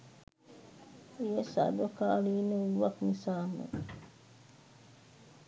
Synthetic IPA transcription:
jesa̰dɔkalinowaknisamṵ

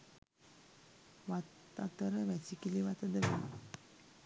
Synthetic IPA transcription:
ʋat̪ | at̪əɾəʋɛsikiliʋat̪əd̪əʋi

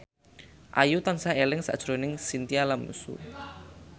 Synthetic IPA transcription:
ʔa̰jut̪ansaelɪŋsa̰ʔd̥ʒ̥ɾonɪŋsint̪ialamṵsṵ

